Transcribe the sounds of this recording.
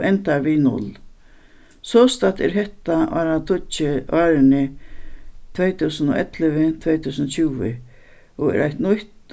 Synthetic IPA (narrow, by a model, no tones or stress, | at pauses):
ʔɛnt̪aɾʋinʊ̰l | sɔːst̪at̪ɛ̰ɾɦɛht̪aa̰ɾat̪ʰʊt͡ʃɪaːɾɪnɪ | t̪ʰvejt̪ʰuːsənɔ̰ʔɛt̪lɪʋɪt̪ʰvejt̪ʰuːsənɔt͡ɕʰuːʋɪ | ɔɛ̰ɾa̰jt̪nʊht̪